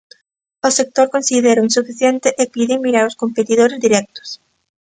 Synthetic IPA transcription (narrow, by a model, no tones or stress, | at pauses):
osek̚t̪oɾkõnsiðeɾoinsufiθjent̪eʔepiðɪmiɾaɾoskompet̪iðoɾezd̪iɾɛk̚t̪ʊ̥s